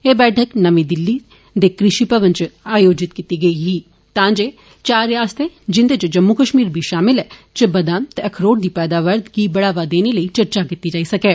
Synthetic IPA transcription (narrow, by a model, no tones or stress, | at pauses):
eːbɛːʈʰəknɐʋĩd̪ɪlːi | d̪eːkɾɪʃipɐʋə̃nt͡ʃaːjoːd͡ʒɪt̪kit̪iɡɐiɦi | t̪ãːd͡ʒeː | t͡ʃaːɾjaːst̪ed͡ʒɪ̃nd̪et͡ʃed͡ʒɐmːukəʃmiːɾbʱiʃaːmɪlɦɛːt͡ʃɐbɐd̪ãːnt̪eɐkʰɾoːɽd̪ipɛːd̪aːʋəɾd̪kibɐɽaːʋad̪eːneləit͡ʃɐɾt͡ʃakɪt̪id͡ʒaːisɐkeː